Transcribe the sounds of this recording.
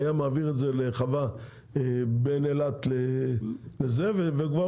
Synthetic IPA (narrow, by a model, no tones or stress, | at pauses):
jamaːviʁetzeleχava | ebenelat̪le | lezeveveɡva